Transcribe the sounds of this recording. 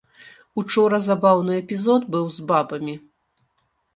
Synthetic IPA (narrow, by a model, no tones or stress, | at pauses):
ut͡ʂɔɾɐzabawnɨɛpʲizɔd̪bɨwzbabɐmʲi